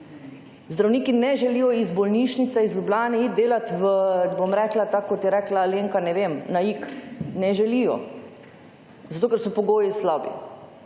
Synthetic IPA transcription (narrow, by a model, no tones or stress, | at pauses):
zd̪ɾawniːkinɛʒɛliːjɔizbɔlniːʃnit̪sɛizlʲjublʲaːnɛit̪̚d̪eːlat̪ʋəbomɾɛːklat̪akːɔt̪jɛɾɛklaleːŋkanɛʋemnaiːknɛʒɛlijɔ̰ | zat̪oːkɛɾsɔpɔɡoːjislabḭ